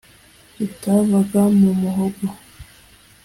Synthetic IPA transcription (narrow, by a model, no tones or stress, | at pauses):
itavaɡamumuɦoɡo